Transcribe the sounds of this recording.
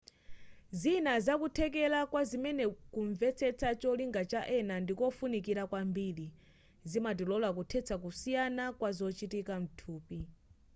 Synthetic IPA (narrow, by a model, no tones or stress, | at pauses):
zinazakutʰɛk̬ɛlakwazimɛnɛkuɱvɛt͡sʰɛt͡sʰat͡ʃɔliŋɡat͡ʃaʔɛnandikɔfunikiɾakwambili | zimat̬ilɔlak̬utʰɛt͡sʰak̬usijanakwazɔt͡ʃitikam̩tʰuːpi